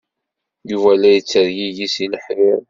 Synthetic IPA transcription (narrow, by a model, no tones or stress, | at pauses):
juvælːæjət͡sːəɾjiʝisiləħɪɾ